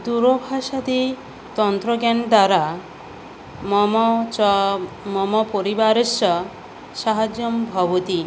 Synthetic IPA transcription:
d̪uɾɔbʱaʃad̪i | t̪ɔnt̪ɾɔɡand̪aɾa | mɔmt͡ʃɔmɔmɔpɔɾibaɾesɔ | saɦad͡ʒjɔmbʱɔbɔt̪i

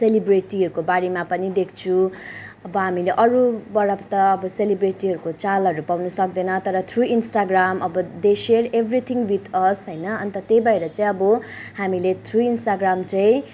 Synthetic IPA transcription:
selibreʈiɦʌɾukobaɽimapʌnid̪ekʰt͡sʰuʌbʌɦamileʔʌɾubʌɽʌbt̪ʌːbʌselibreʈiɦʌɾukot͡salʌɾupawnʌsʌk̚d̪ʌnʌt̪ʌɾʌt̪ʰruinsʈaɡramʌbʌd̪eʃerebʱrit̪ʰiŋɡwit̪ʰʌsɦʌjnʌːnt̪ʌt̪ejbaɾeɾʌt͡saĩʌbʌhamilet̪ʰruinsʈaɡramt͡saĩ

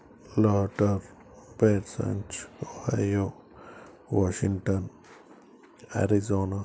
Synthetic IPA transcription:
laʈəɾ | beɾsa̰nt͡ʃohajo | waʃiŋʈan | a̰ɾizona

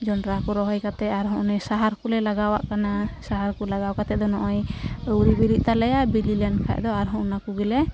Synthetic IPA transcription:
d͡ʒɔnɾakuɾɔɦɔjkat̪ɛaɾɦɔ̃ʔnɛsaɦaɾkulɛlaɡawa̰ʔkanasaɦaɾkulaɡawkat̪ɛd̪ɔnɔʔɔjəwɾibiɾiʔ̚t̪alɛjaʔbililankʰa̰ʔd̪ɔaɾɦɔ̃ʔnakuɡilɛ

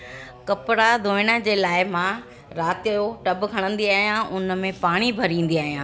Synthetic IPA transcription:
kɐpɽad̪ʱoːɪɽ̃əd͡ʑeːlaːɪmãː | ɾaːt̪ijoʈɐbkʰɐɽ̃ə̃nd̪iaːɦijãʔʊnmẽpaːɽ̃ibʱɐɾĩːn̆d̪iaːɦijãː

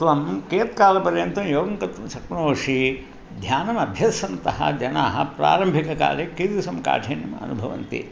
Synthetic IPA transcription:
t̪ʋɐmkeːt̪̚kaːlɐpɐɾjɐnt̪ɐmjoːɡɐŋkɐt̪ʋɐmsɐkɳoːʂi | d̪ʱjaːnɐmɐbʱjɐsɐnt̪ɐɦɐ̰d͡ʒɐnaːɦɐ̰pɾa̰ːɾɐmbʱikɐka̰ːlekit̪isɐmka̰ːʈʰeːnjɐmɐɐ̰nubʱɐʋɐ̰nt̪ḭ

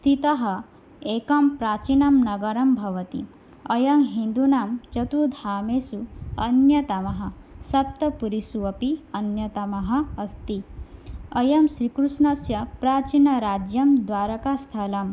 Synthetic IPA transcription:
st̪ʰit̪ɐɦɐ̆ | eːkɐmpɾaːt͡ʃinɐmnɐɡɐɾɐmbʱɐʋɐt̪ḭ | ɐjɐŋɦind̪unaːmt͡ʃɐt̪ud̪ʱaːmeːsuɐnjɐt̪ɐmɐɦɐ̆ | sɐp̚t̪ɐpuɾisuɐpiɐnjɐt̪ɐmɐɦɐ̆ːst̪i | ɐjɐmʃɾikɾuʃnɐsjɐpɾaːt͡ʃinɐɾaːd͡ʒjɐmd̪ʋaːɾɐkaːst̪ʰɐlɐm

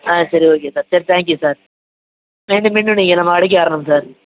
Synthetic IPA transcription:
aːsɐɾioːk̬eːsaːɾsɐɾit̪ʰãːŋkjusaːɾ | ʋeːɳɖɯmpiɳɖuɳniːŋɡɐnɐmːɐɐɽik̬ʲːikaːɾɐɳɐmsaːɾ

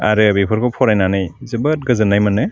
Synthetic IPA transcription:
a̰ɾɯbepʰɔɾkʰɔpʰɔɾajnanajzɯbɯt̚ɡɯzɯnːajmanɯ

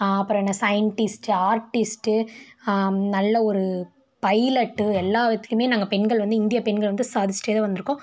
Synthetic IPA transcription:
ɐpːɯɾɔ̃ɛnːɐsɐjɐɳʈɪsʈɯaːɾʈɪsʈɯ | nɐlːɐɔɾɯ | pɐɪlɐʈːɯɛlːaːʋɐt̪ːɯ̥kːɯmeːnaːŋɡɐpɛɳɡɐɭʋɐnd̪ɯɪnd̪ɪjɐpɛɳɡɐɭʋɐnd̪ɯsaːðɪt͡ʃːʈɾeːðɐʋɐnd̪ɯɾɯkːõ

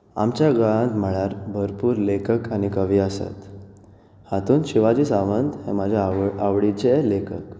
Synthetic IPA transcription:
a̰mt͡ɕjaɡəɭãt̪m̤əɭaɾbʱəɾpuːɾlekəkaɽ̃ikəʋiəsa̰t̪ | hat̪uːnɕiʋad͡ʑiːsaʋənd̪hḛmad͡ʑʱaaʋɽit͡ɕelekʰək

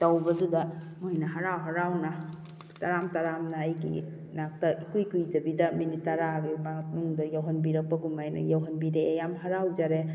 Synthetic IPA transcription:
tɐwbɐdudɐ | mojnɐɦaɾawɦaɾawna | taɾamtaɾamnaːjɡḭ | nak̚tɐʔikujkujd͡ʒɐbidɐminitːɐɾaɡimaŋt̚muŋdɐjawɦɐnbiɾɐk̚pɐɡumajnɐ̰jawɦɐnbiɾeːjamɦaɾawd͡ʒaɾe

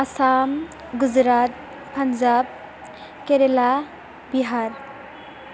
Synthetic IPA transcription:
ɐsam | ɡud͡zɾat̪̚ | pʰɐnd͡zab̚ | keɾela | biɦaɾ

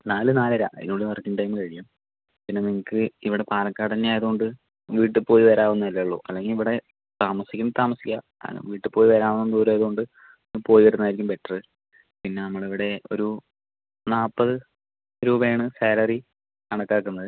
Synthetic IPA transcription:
naːlɨnaːlɐɾa̰ðḭnːoːɽeʋɐrkːiŋʈɐjmɨkɐɻikːum | pinːeniŋːɐkːɨiʋiɽe̞paːlɐkːaːt̪ɐnːeaːjɐðuo̞ɳɖɨ | ʋiːʈːɨpo̞ːjiʋɐɾaːʋunːɐɐlːɐɭːo̰ːʔɐlːe̞ŋɡiliʋiɽe̞ | t̪aːmɐsikʲːumt̪aːmɐsikʲːa | a̰nɐ̰ʋiːʈːɨpo̞ːjiʋɐɾaːʋunːɐnd̪uːɾaːjɐðɨɣo̞ɳɖɨ | niŋːpo̞ːjiʋɐɾunːaːjiɾikʲːumpe̞ʈːrɨ | pinːe̞nɐmːɐɭiʋiɽe̞o̞̰ɾu | naːpːɐðɨ | ɾuːbɐjaːɳɨseːlɐri | kɐɳɐkːaːkːunːɐðɨ

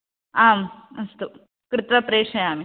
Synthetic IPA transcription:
aːmɐst̪u | kɾɪt̪ʋɐpɾeːʂɐjaːmi

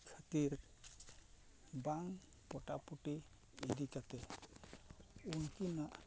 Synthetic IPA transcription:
kʰət̪iɾ | baŋ | pɔʈapuʈiː | d̪ikat̪ɛ | unkinaʔ

